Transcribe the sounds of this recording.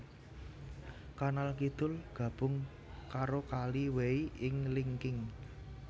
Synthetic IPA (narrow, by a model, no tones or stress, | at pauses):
kanalkid̪̥ʊ̤lɡ̥ä̤b̥ʊ̤ŋ | kaɾokaliweiɪŋliŋkɪŋ